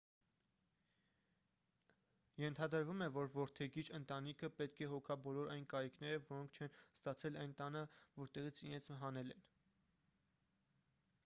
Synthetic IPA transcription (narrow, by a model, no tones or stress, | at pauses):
jɛnt̪ʰɑd̪əɾvumɛvɔɾvɔɾt̪ʰɛɡit͡ʃʰənt̪ɑnikʰəpɛt̪kʰɛɦɔkʰɑbɔlɔɾɑjnkɑɾikʰnɛɾəvɔɾɔŋkʰt͡ʃʰɛnst̪ɑt͡sʰɛlɑjnt̪ɑnəvɔɾt̪ɛʁit͡sʰiɾɛnt͡sʰɦɑnɛlɛn